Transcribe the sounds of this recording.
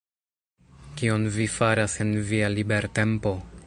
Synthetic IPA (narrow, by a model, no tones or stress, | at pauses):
kio̞nvifaɾase̞nvialibe̞ɾte̞mpo̞